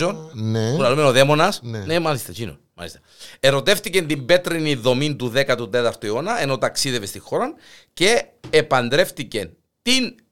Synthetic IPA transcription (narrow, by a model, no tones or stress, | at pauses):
onneulɐlumenoðemo̞nɐsnemɐlist̪ɐcino̰nmɐ̰lḭst̪ɐ̥ | eɾo̞t̪e̞ft̪icent̪imbe̞t̪ɾiniðo̞mint̪uðe̞kɐt̪ut̪e̞t̪ɐɾt̪oeo̞nɐe̞no̞t̪ɐksiðevest̪ixo̞ɾɐnce̞ːpɐnd̪ɾe̞ft̪ice̞n | t̪in